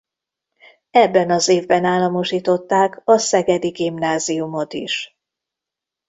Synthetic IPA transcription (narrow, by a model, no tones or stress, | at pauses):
ɛbːɛnɒzeːvbɛnaːlːɒmo̞ʃiːt̪o̞t̪ːaːkɒsɛɡɛd̪iɡimnaːzijumo̞t̪ḭʃ